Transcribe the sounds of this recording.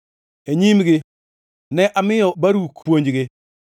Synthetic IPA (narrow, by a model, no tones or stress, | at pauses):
eɲimɡɪ | nɛʔamɪjɔbaɾukʰwoɲd͡ʒɡɪ